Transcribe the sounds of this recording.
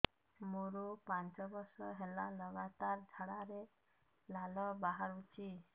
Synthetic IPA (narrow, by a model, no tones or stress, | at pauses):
moɾupant͡ʃɔbɔɾsɔɦelalɔɡat̪aɾd͡ʒʱaɽaɾe | lalɔbaɦaɾut͡ʃʰi